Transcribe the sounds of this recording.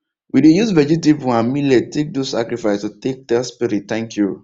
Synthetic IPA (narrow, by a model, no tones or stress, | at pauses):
widejuzvɛd͡ʒipipuãnmilɛd̚tek̚dossa̰kɹifaɪstutek̚dɛspiɾitt̪ɛ̃ŋkʰju